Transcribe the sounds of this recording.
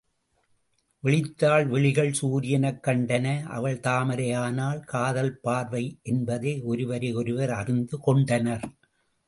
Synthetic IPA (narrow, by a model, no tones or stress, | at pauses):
ʋɛɭɪt̪ːaːlʋɛɭɪɣɐɭsuːɾɪjɐnɐkːɐɳɖɐnɐʔɐ̰ʋɐɭt̪aːmɐɾɐjaːnaːlkaːðɐlpaːɾʋɐɪʔɛnbɐðeːɔɾɯʋɐɾɐɔɾɯʋɐɾɐrɪnd̪ɯkɔɳɖɐnɐɾ